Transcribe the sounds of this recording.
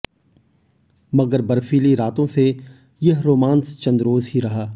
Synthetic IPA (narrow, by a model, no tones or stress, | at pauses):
mɐɡəɾbɐɾfiːliɾaːt̪õse | jɐɦɾoːmãːnst͡ʃɐ̃nd̪ɾoːzɦiɾɐɦaː